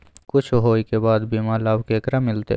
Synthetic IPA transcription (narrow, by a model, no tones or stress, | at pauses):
kʊt͡ʃʰɦoːikebaːd̪biːmaːlaːwkeːkɾamɪlt̪ḛ